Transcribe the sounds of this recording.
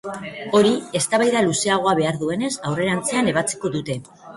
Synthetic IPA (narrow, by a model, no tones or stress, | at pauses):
o̞ɾie̞st̪aβajðaluse̞aɣ̞o̞aβe̞aɾðue̞ne̞sawre̞ɾant͡se̞ane̞β̞at͡si̥ko̞ðut̪e̞